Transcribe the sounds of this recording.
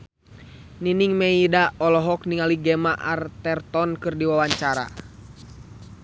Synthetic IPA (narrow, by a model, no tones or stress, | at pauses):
niniŋmɛidaɔlɔɦɔk̚niŋaliɡɛmaʔart̪ɛrt̪ɔnkɨrdiwawaɲt͡ʃaɾa̰